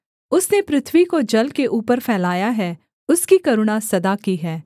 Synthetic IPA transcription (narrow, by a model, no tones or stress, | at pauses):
ʊsnepɾɪt̪ʰwikod͡ʒɐlkeʔuːpəɾfʰɛːlaːjaɦɛː | ʊskikɐɾʊɽ̃asɐd̪akiɦɛː